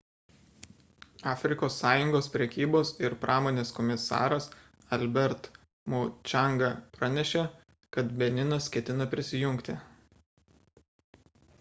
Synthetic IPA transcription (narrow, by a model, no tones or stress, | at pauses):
ɑːfʲɾʲɪkoːsːɑːjʊŋɡoːspʲɾʲɛkʲiːboːsɪɾpɾʔɑːmoːnʲeːskɔmʲɪsɑ̰ːɾɐs | ɐlʲbʲɛɾt̪ | mot͡ʃʲɑˑŋɡɐpɾɑnʲɛʃʲɛ | kɐt̪bʲɛnʲɪnɐskʲɛt̪ʲɪnɐpʲɾʲɪsʲɪjʊŋʲˑkt̪ʲɪ